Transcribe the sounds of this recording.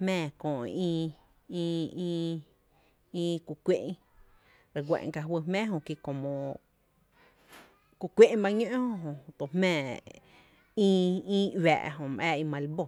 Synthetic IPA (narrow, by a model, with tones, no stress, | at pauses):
mɛ̃ː˦˧˨kõː˨ʔĩː˧ | ĩː˧ĩː˦˧ | ĩː˦˧ku˧kʷe˦ʔ | ɾe˨ɡʷḛ̃˨˧ka˧ɦwə˧mɛ̃ː˦ɦõ˧ki˧kõ˨mõ˨ | ku˧kʷe˦ʔba˧ɲõ˦ʔõ˧ɦõ˨t̪o˨hmɛ̃ː˧˨ | ĩː˦˧ĩː˦wɛ̰ː˨ʔɦõ˧˨mʔɛ̰ː˧˨i˧mã˧lbo˧˨